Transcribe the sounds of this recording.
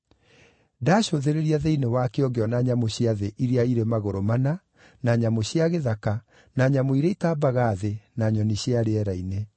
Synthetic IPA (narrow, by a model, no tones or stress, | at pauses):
daɕoðeɾeɾiaðeinewakeɔɡeɔnaɲamoɕjaðeʔiɾeaiɾemaɣoɾomana | naɲamoɕjaɣeðaka | naɲamoiɾeitaːbaɣaðenaɲɔniɕiaɾeɛɾaine